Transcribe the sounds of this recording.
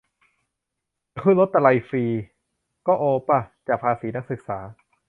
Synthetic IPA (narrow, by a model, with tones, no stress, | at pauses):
kʰɯː˥˩˨lo˦˥t̪ːa˧la˧jfiː˧ | kɔː˥˩ʔoː˧pa˧˩t͡ɕaː˨˩k̚pʰaː˧siː˩˦na˦˥k̚sɯ˨˩k̚saː˩˦